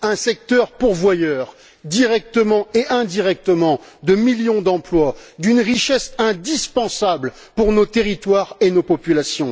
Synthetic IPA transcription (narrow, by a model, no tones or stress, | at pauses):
ɛ̃sɛk̚t̪œʁpuʁvwajœːʁ | d̪iʁɛk̚t̪əmɑ̃eʔɛ̃d̪iʁɛk̚t̪əmɑ̃d̪əmiljɔ̃d̪ɑ̃plwad̪ynʁiʃɛsɛ̃d̪ispɑ̃sabl | puʁnot̪eʁit̪waʁenopɔpylasjɔ̃